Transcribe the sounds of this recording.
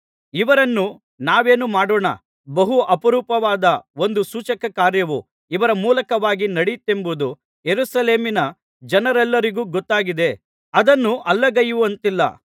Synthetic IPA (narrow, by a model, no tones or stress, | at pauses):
iʋɐɾɐnːu | naːʋe̞ːnumaːɽoːɳɐ̰ | bɐɦuʔɐpɐɾuːpɐʋaːd̪ɐo̞nd̪usuːt͡ʃɐkɐkaːɾjɐʋu | iʋɐɾɐmuːlɐkɐʋaːɡinɐɽit̪ːe̞mbud̪u | jeɾusɐle̞ːminɐ | d͡ʒɐnɐɾɛlːɐɾiɡuːɡɔt̪ːaːɡid̪e̞ | ɐd̪ɐnːuʔɐlːɐɡɐjuʋɐnt̪ilːɐ̰